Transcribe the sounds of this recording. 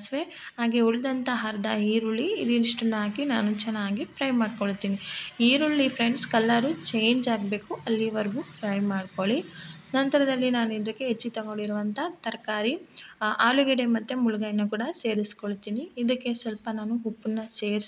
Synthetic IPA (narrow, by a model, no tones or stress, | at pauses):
sʋe | ɦaːɡeuɭːd̪ɐnt̪ɐɦɐɾd̪ɐɦiːɾuɭːiːliniʂʈinːaːkinaːnut͡ʃɛnːaːɡipʰɾɐjmaːɖkoɭt̪ːiːniiːɾuɭːipʰɾeɳɖskɐlːaɾut͡ʃeːɲd͡ʒaːɡbe̞ːkuʔɐlːiʋɐɾɡupʰɾɐjmaːɖkoɭinɐnt̪ɐɾɐd̪ɐlːinaːnuid̪ɐkːeɦet͡ʃːit̪ɐɡoɳɖiɾuʋɐnt̪ʰɐt̪ɐɾɐkaːɾiaːluɡɐɽemɐt̪ːemuluɡɐjinːɐkuːɽɐse̞ːɾiskoɭt̪iːniːd̪ɐkːe̞sɛlpɐnaːnuɦupːunːɐse̞ːɾ